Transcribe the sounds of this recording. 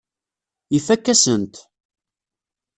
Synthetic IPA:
ifækːæsənt̪

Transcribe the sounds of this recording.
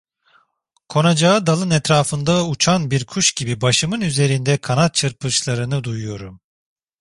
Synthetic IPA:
kʰo̞nad͡ʒaɯd̪alˠɯnɛt̪ɾaːfɯnd̪aut͡ʃʰanbiɾkʰuʃɟibibaʃɯmɯnyze̞ɾind̪ɛkʰanat̪̚t͡ʃʰɯɾpʰɯʃlˠaɾɯnɯd̪ujujo̞ɾum

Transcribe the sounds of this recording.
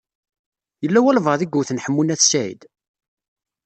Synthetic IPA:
jəlːæwælvəðiɡʷːuθnħəmːunæθsæḭd̪

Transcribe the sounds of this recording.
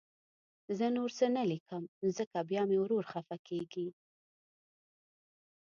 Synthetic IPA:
zənoɾsənalikəmzəkabjɑmewɾoɾxafakeɡi

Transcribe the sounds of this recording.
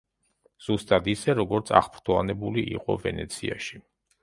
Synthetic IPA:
z̥ust̪ʼad̪isɛɾɔɡɔɾt̪sʰa̰χpʰɾt̪ʰɔanɛbuliʔiqʼɔ̰vɛnɛ̰t̪sʰiaʃi

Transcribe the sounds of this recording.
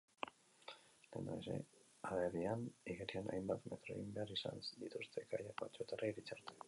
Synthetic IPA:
lenoese̞̰ | aβerianiɣeɾianʔa̰jmbat̪me̞t̪ɾo̞ḛɣimbe̞aɾisa̰nsd̪it̪ust̪ʰe̞ɡajakot͡ʃoet̪araiɾit͡saɾt̪e̥

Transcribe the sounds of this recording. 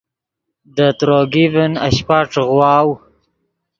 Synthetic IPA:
d̪ət̪ɾoɡivəna̰ɕpaʈ͡ʂɣwɑːw

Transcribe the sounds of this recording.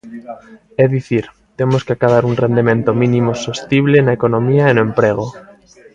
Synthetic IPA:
ɛðiθiɾ | t̪emoskeakaðaɾuŋrend̪emẽnt̪omĩnĩmosost̪iβ̞lenaekonomiaenoempɾeɣ̞o

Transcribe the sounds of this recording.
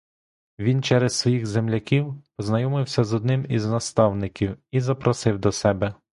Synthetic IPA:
ʋʲint͡ʃɛɾɛssʋɔjixzemlʲɐkʲiwpɔznɐjɔmɪwsʲɐzɔd̪nɪmiznɐst̪ɑwnɪkʲiwizɐpɾɔsɪwd̪ɔsɛbɛ

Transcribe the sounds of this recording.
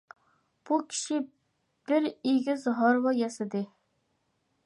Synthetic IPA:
b̥ukʲʰi̥ʃi | b̥ɪɾiɡʲɪzɦɑɾwɑjɛsɪd̪ɪ

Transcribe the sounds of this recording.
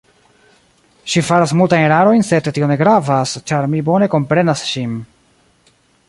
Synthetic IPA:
ʃifaɾasmultajeɾaɾo̞jnse̞dtio̞ne̞ɡɾavast͡ʃaɾmibo̞ne̞ko̞mpɾe̞nasʃim

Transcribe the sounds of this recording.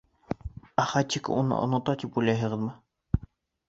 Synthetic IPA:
æχɑt̪ʲikunɤ̰ʔo̰nŏt̪ɑt̪ipulʲæjɦɤ̆ʁɤðmɤ

